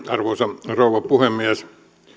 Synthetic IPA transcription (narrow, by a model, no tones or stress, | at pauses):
ɑrʋoːsɑrouʋɑpuhemːiæs